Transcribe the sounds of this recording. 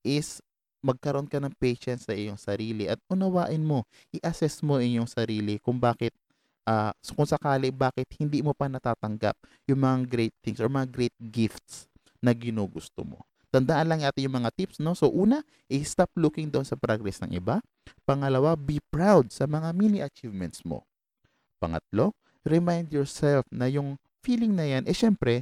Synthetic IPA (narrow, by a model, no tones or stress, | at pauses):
ʔɪs | mɐɡ̚kɐɾoʔonkɐnɐŋpɛjʃɛnt̪sɐʔɪɲoŋsɐɾiːlɪʔɐt̪̚ʊnɐwaːʔɪnmo̞ | ʔɪʔɐsɛsmo̞ʔɪɲoŋsɐɾiːlɪkʊŋbaːkɪt̪̚ | ʔaːsokʊŋsɐkaːlɪbaːkɪt̪̚hɪnd̪iːmopɐnɐt̪aːt̪ɐŋɡa̰p̚ | jʊŋmɐŋaɡɾɛjt̪̚θɪŋsoɹmɐŋaɡɾɛjt̪̚ɡɪft̪̚s | nɐɡɪnuːɡʊst̪o̰mo̞̰ | t̪ɐnd̪aʔanlɐŋnaːt̪ɪnjʊŋmɐŋat̪ipsno̞so̞ʔuːnɐ | ʔɪst̪ap̚lukɪŋd̪oʔonsɐpɾaɡɾɛsnɐ̰ŋʔɪ̰ba | pɐŋɐlɐwabipɹawd̪̚sɐmɐŋaminiʔɐt͡ʃivmɛnt̪̚smo̰ | pɐŋɐ̰t̪̚lo̞ | ɾɛmajnd̪jɔɹsɛlfnɐjʊŋ | fiːlɪŋnɐjanʔɛʃɛmpɾɛ